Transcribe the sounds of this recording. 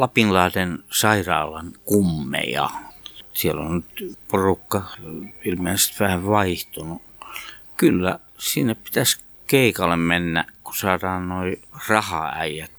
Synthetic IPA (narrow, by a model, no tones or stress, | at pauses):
lɑpinlɑːtensɑirɑ̰ːlɑnkumːḛjɑ̰sielo̰nnyt̪porukːɑilmeːnset̪ʋæhæʋʋɑiht̪unu | kylːæ | sinːeppi̥t̪æs | keikɑlːemmenːæ̰ʔkusɑːrɑːnnoirɑhɑ̰æ̰ijæt̪